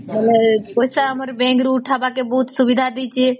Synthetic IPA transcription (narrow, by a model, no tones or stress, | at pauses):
məlɛkoɦisaɦəməɾbẽŋɡɾuʈʰabakebəɦut̪subid̪ʱad̪it͡ʃe